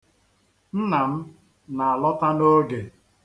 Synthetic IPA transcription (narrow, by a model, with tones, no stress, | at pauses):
n̩˦na˨m̩˦ | na˨a˨lɔ˦ta˦no˦ɡe˨